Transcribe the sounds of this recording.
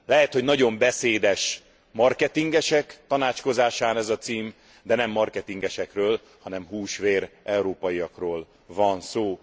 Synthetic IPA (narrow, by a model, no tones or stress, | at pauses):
lɛɦɛt̪ho̞ɟnɒɟo̞mbɛseːd̪ɛʃ | mɒrkɛt̪iŋɡɛʃɛkt̪ɒnaːt͡ʃko̞zaːʃaːnɛzɒt̪siːm | d̪ɛnɛmːɒrkɛt̪iŋɡɛʃɛkrøːl | hɒnɛmɦuːʃʋeːrɛuɾoːpɒjijɒkroːl | vɒnsoː